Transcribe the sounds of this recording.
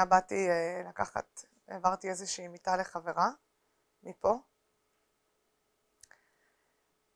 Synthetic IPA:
abatielaka̰χa̰t̪ | evaʁt̪ie̞zeʃiːmitale̞χave̞ʁa | mipo̞

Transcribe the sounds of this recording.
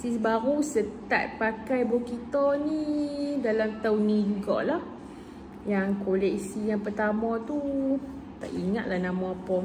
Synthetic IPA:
sisbaɾusət̪a̰t̪̚pakajbokit̪ɔnidalamt̪awnĩd͡ʒuɡɔ̰ʔlah | jaŋkolɛk̚sijaŋpərt̪amãt̪u | t̪a̰ʔiŋat̪̚lahnãmɔ̃apɔ

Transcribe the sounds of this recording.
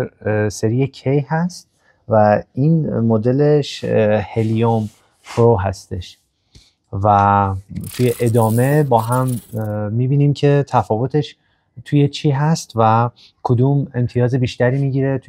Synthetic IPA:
se̞ɾiecʰejhæst̪̚ | væiːnmod̪e̞le̞ʃhe̞lijom | pʰɾoɦæ̰st̪e̞ʃ | væ | t̪ʰujeʔed̪ɒːme̞bɒːɦæmː | iːbiːniːmcʰe̞t̪ʰæfɒːvo̞t̪ʰe̞ʃ | t̪ʰuːje̞t͡ʃʰiːɦæst̪væ | kʰod̪ume̞mt̪ʰijɒːze̞biːʃt̪æɾiːmiːɟiːɾe̞t̪ʰ

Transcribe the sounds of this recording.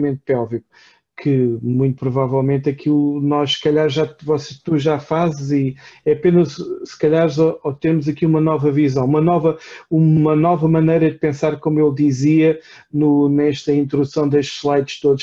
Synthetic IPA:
mẽnt̪̚pɛlˠviku̥ | kʰɨmũj̃t̪upɾuvavɛlˠmẽnt̪ɐkʰilˠunɔʃsɨ̥kɐʎaɾʒavɔse̥ʃt̪uʒafazɨziɛɐpenɐzsɨ̥kɐʎaɾzɔɔt̪eɾmuzɐkiumɐnɔvɐvizɐ̃w̃umɐnɔvɐumɐnɔvɐmɐnɐjɾɐd̪ɨpẽsaɾkomuelˠd̪iziɐ | nunɛʃt̪ɐĩnt̪ɾuusɐ̃w̃d̪eʃt̪ʃlˠajt̪ʃt̪oðuʃ

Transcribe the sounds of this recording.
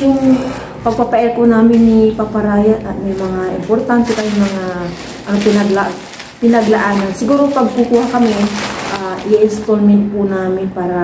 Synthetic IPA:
jʊŋ | pɐɡ̚papaʔɛɾkonaːmɪnːɪpapaɾaːjaʔɐt̪̚mɛjmɐŋaʔɪ̰mpoɾt̪ant̪ɛt̪ajʊŋmɐŋa | ʔɐnopɪnɐɡlaʔ | pɪnɐɡlaʔaːnansɪɡuːɾopɐɡ̚kʊkuːhakɐmɛʔaːʔjaʔɪnst̪olmɛnt̪̚pʊnaːmɪnpaːɾa

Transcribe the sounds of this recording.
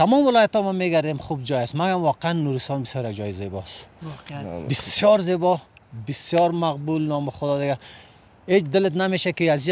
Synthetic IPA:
t̪ʰamɔmɪlɔːjat̪ɔmameɡaɾd̪emχubd͡ʒɔjast̪maɡamwɔqeanːuɾɪst̪ɔnbɪsjɔɾjaɡd͡ʒɔjizebɔst̪ | bɪsjɔɾzebɔbɪsjɔɾmaqbulnɔmɪχʊd̪ɔd̪ɪɡa | het͡ʃd̪ɪlɪt̪nameʃakiazi

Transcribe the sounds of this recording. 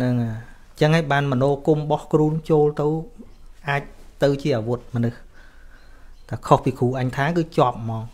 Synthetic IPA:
nɨŋaː | ɲt͡ɕəŋhaːjɓaːnmənoːkumɓɑhkruːənt͡ɕoːlt̪ɨwʔaːc̚t̪ɨwt͡ɕiəʔaːʋut̪̚mə̆nɨh | t̪akʰohpiːkʰuːʔaɲt̪ʰaːkɨːt͡ɕŏəp̚mɑːŋ

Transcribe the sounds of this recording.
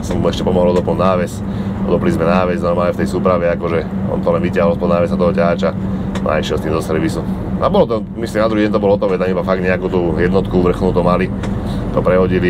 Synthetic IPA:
sɔmmuɛʃcɛpɔmɔɦɔlɔd̪ɔplunaːʋɛs | ɔd̪ɔplizmɛnaːʋɛznaɔmaːɛft̪ɛjsuːpɾaʋɛakɔʒɛɔ̰nt̪ɔlɛnʋicaɦɔlɔspɔlnaːʋɛsat̪ɔɦɔcaat͡ʃa̰a̰iʃjɛlst̪iːmzɔsɛɾʋisu | ʔa̰bɔlɔt̪ɔ | mislimnad̪ɾuɦiɟɛnt̪ɔbɔlɔt̪̚pɔʋɛt̪amibafaɡ̚d̪ɲɛakuːt̪uːjɛd̪nɔt̪kuʋr̩xnuːt̪ɔmali | t̪ɔpɾɛɦɔɟili

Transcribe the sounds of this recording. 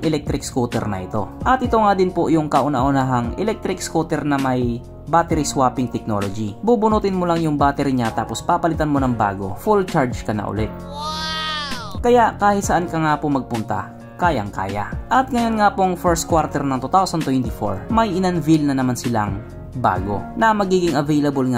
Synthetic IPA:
ŋʔɛlɛk̚t̪ɾɪkskut̪ɛ̰ɾnɐ̰ʔɪt̪o̞̰ʔɐt̪ʔɪt̪oŋaːd̪ɪnpojʊŋkɐʔʊnɐʔʊnaɦɐŋʔɛ̰lɛk̚t̪ɾɪkskut̪ɛɾnɐmɐj | baːt̪ɛɾiswaːpɪŋt̪ɛk̚no̞̰lod͡ʒibuːbʊnut̪ɪnmolaŋjʊŋbaːt̪ɛɾiɲat̪aːpospapɐlɪt̪anmonɐŋba̰ːɡo̞̰fult͡ʃaɹd͡ʒkɐnɐ̰ʔʊ̰lɛt̪̚ | kɐjaʔkaːhɪt̪̚sɐʔankɐŋaːpomɐɡ̚pʊnt̪ɐ̰ | kaːja̰ŋka̰ːja̰ʔɐt̪̚ŋɐjonŋapoŋfɛɹst̪̚kwaɾt̪ɛɾnɐŋt̪ut̪awsɐnt̪wɛnt̪ɪfo̰ɹmɐjʔɪnanvilnɐnɐmansɪla̰ŋ | ba̰ːɡo̞̰nɐmɐɡiːɡɪŋɐvɛjlɐbolŋa

